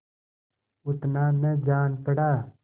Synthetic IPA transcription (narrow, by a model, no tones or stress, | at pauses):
ʊt̪naːned͡ʒaːnpəɽaː